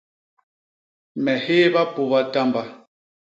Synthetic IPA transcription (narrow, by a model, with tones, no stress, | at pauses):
mɛ˨he˦βa˦pu˨βa˦ta˦mba˦